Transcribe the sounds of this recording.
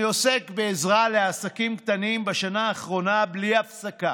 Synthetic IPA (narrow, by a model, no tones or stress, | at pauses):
osekbeːzʁale̞asakimkt̪animbaʃanaːχʁo̞nabliafsaka